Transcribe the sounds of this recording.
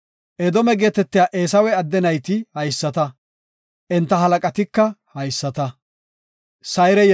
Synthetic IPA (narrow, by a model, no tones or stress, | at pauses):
ʔɛd̪ɔmɛɡeːt̪ɛt̪ːɪjaːʔe̞ːsɐwɛɐd̪ːɛnɐjt̪ɪhɐjsːɐt̪ɐ | ʔɛnt̪ːɐɦɐlɐkʼɐt̪ɪkːɐhɐjsːɐt̪ɐ | sɐjɾɛ